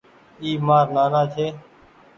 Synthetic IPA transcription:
iːmaːɾnaːnãːt͡ʃʰeː

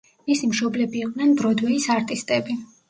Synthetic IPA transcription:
misimʃɔblɛbiːq̪ʼnɛnbɾɔd̪wɛisaɾt̪ʼist̪ʼɛbi

